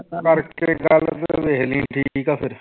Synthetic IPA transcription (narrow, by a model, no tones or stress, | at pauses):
kəɾkeɡəlt̪ʋeɦlĩːʈʰiːkaːpʰɪɾ